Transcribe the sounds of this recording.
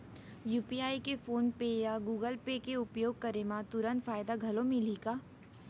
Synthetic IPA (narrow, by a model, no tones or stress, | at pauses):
juːpiaːikefʰoːnpejaɡuːɡəlpekeʊpjoːɡ̚kɐɾemãt̪ʊɾə̃nt̪faːjd̪aɡʱɐlõmẽliːkaː